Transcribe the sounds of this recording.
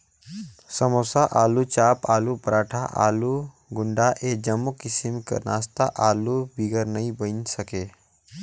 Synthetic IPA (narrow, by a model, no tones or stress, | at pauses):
səmosaʔaːlut͡ʃaːpaːlupɾaːʈʰaʔa̰ːlu | ɡʊɳɖaʔed͡ʒəmːukɪsimkə̰naːst̪aʔaːlubiɡəɾnəĩbənsəkeː